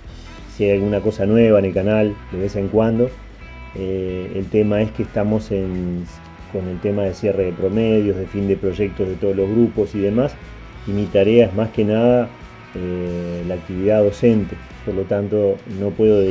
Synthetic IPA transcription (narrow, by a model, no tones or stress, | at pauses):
siajalɣunako̞sanweβ̞aene̞lkanald̪e̞βeseŋkwand̪o̞ | eelt̪e̞maeskeːst̪amo̞sen | ko̞ne̞lt̪e̞maðesje̞re̞ðepɾo̞meðjo̞zðe̞find̪epɾo̞ʒe̞k̚t̪o̞ɦð̞e̞t̪o̞ð̞olo̞ɦɣɾupo̞siðe̞mas | imit̪aɾe̞aezmaskenaða | elaːk̚t̪iβiðaðo̞se̞nt̪e | poɾlo̞t̪ant̪o̞no̞pwe̞ðo